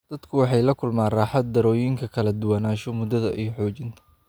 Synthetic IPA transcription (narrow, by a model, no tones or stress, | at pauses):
d̪̥ɐd̪kʰʊwɑħɑjlɐkʰʊlmaːnraːħɑd̪̚ːɐɾɔːjɪŋkʰɐkʰɐlɐd̪ʊwɑnaːʃɔmʊd̪ɐðɐʔijħɔːt͡ʃɪnt̪ʰɐ